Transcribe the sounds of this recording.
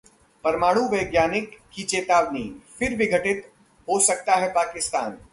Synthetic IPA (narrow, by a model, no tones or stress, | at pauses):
pɐɾmaːɽ̃ũʋɐːɡjaːnɪkːit͡ʃeːt̪aːʋnifɪɾʋɪɡʱəʈɪt̪ | ɦosɐk̚t̪aɦɛpaːkɪst̪a̰ːn